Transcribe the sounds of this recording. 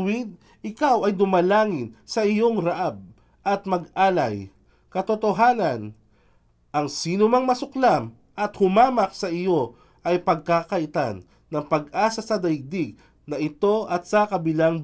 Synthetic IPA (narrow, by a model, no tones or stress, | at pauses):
wid̪̚ | ɪkawɐjd̪ʊmɐlaːŋɪnsɐʔɪjo̞ŋɾɐʔab̚ | ʔɐt̪̚mɐɡʔaːlɐj | kɐt̪ot̪oɦaːnɐn | ʔɐŋsiːnʊmɐŋmɐsʊklam | ʔɐt̪hʊmaːmɐk̚sɐʔɪjo̞ | ʔɐjpɐɡ̚kakɐʔɪt̪a̰nː | ɐŋpɐɡʔaːsɐsɐd̪ɐɪɡ̚d̪iɡ̚ | nɐʔɪt̪o̞ʔɐt̪̚sɐkɐbɪlaŋ